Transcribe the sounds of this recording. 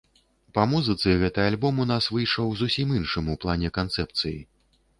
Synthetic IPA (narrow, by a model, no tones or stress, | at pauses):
pɐmuzɨt̪sɨɣɛt̪ɨalʲbɔmunasvɨjʂɔwzusʲiminʂɨmuplˠanʲɛkant̪sɛp̚t̪sɨji